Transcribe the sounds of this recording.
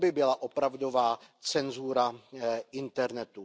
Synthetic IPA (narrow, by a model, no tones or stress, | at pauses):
bɪbɪlaʔopɾavdo̞vaːt͡sɛnzuɾaʔɪnt̪ɛɾnɛt̪u